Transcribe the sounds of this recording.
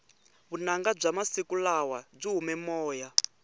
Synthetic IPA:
βunaŋɡab͡ʐamasikulawab͡ʐiɦumɛmɔːja

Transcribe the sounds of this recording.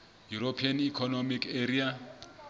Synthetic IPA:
juɾopʰianikʰɔnomikeɾia

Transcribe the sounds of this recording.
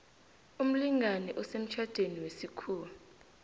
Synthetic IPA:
um̩liŋʱanɛʔɔsem̩t͡ʃʰad̥ʱeniwesikʰuːlu

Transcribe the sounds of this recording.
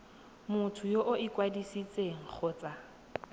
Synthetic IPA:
mʊtʰʊjoʔʊɪkwadisit͡sʼeŋ̩k͡xʰʊːt͡sʼa

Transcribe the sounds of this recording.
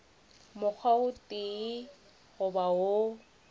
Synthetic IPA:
mʊk͡xʰwaʊtʼɪ | ɣʊbao

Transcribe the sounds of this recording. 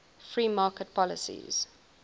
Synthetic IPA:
fɹiːmɑːkət̚pʰɔlə̰sḭz̥

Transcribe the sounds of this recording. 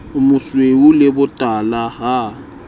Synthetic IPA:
ʊmʊsweulɪbʊtʼalaɦa

